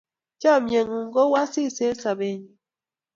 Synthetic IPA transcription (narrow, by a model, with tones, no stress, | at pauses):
t͡ʃa˦˨mje˨ŋu˨ŋ̩˦ɡo˦wa˦si˦˨se˦sa˨be˨ɲi˨